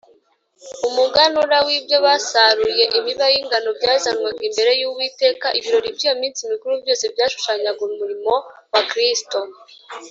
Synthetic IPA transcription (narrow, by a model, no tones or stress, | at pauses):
umuɡanuɾawibjo̞βasaɾuje̞ʔiβiβajiŋɡano̞bɟaːzanwaŋɡimbe̞ɾe̞juβwiːte̞ːkaʔiβiɾo̞ɾibjiːjo̞miːnsimikuɾubɟo̞ːse̞bjaːʃu̥ʃaɲaɡonumuɾimo̞wakɾisto̞